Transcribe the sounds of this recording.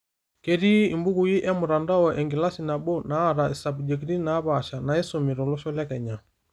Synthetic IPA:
kɛɾi˦imbu˦ɣuji˦ʔɛ˦mu˨ɾa˨nda˦ɔʔɛŋɡi˨la˦sina˨bɔ˦naː˨˦ɾai˨sa˨bd͡ʒɛ˨kiɾi˦naː˦βaʃa˨na˨ɛ˦sɔmi˨ɾɔ˨lɔʃɔla˦kɛ˨ɲa˨

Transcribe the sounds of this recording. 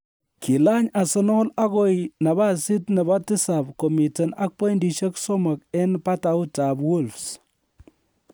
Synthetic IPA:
kʰi˨la˦ɲa˨sɔ˦nɔ˦la˦ɣɔ˦ina˨βa˦sɪ˦tnɛ˨βa˦tɪ˦sa˨bkɔ˨mi˨te˨na˦k̚pɔ˦jndi˨ʃe˦ksɔ˦ma˨kɛ˦npa˦ta˨ʊ˦ta˨bwo˦lfs

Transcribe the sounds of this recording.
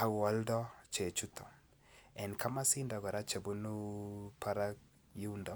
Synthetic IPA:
a˨wɔ˨ldɔ˦t͡ʃe˨t͡ʃu˦t̪ʰɔ˨ | ɛ˨nkʰa˦ma˦si˦ndɔ˨ɡɔ˨ɾa˦t͡ʃe˨bu˦nu˦pa˦ɾa˦k̚ | ju˦ndɔ˨˦

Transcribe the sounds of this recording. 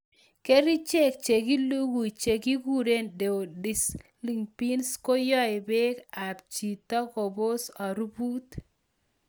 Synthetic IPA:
ke˦ɾi˦t͡ʃe˦˨k̚t͡ʃe˨ɡi˦lu˦ɡu˨i˨t͡ʃe˨ɡi˦ɡu˦ɾe˦nde˨o˨dɪ˨s | li˨ŋpi˦nsko˦jɔ˦ɪ˨be˦ka˨p̚t͡ʃi˨t̪ɔ˦ko˨bo˦sa˨ɾu˦bu˦t̪

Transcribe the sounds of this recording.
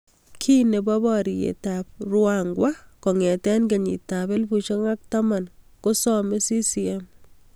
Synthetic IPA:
kʰi˦ne˨bɔ˦bɔɾi˨jḛ˨tap̚rwaŋɡwakɔ˨ŋɛ˨tɛ˦nke˨ɲḭ˨tabe˦lbu˨t͡ʃe˦ŋa˦k̚tama˨n | ko˦sɔme˦si˦si˨ɛm

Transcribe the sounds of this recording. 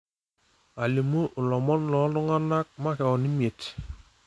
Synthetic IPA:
a˨le˨mo˦ʔʊ˨lɔ˨mɔ˦nlɔ˨˦lʊ˦ŋa˦na˦k̚ma˦kɛ˨ɔ˨ni˦mi˨e˨t

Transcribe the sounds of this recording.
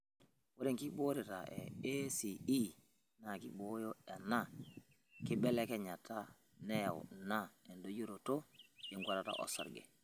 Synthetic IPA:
wo˦ɾi˦ŋki˦bo˦ɾi˨ta̰˨ʔḛesii˦ | na˨kḭ˦ɓo˦jo˦e˨na˦ | ki˦ɓe˦leke˦ɲa˨ta | ne˦ja̰˨w̰nae˨ndo˦ɟu˦ɾo˨to˦je˨ŋɡʷa˦ɾata̰ʔo̰˨sa̰ɾɡḛ˨

